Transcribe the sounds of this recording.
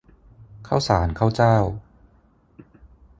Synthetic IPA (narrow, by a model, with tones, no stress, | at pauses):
kʰaː˥˩wsaː˩˦nkʰaː˥˩wt͡ɕaː˥˩w